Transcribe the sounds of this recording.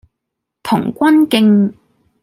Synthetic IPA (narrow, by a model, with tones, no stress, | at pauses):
t̪ʰʊ˨˩ŋkʷɐ˥nkɪ˥˧ŋ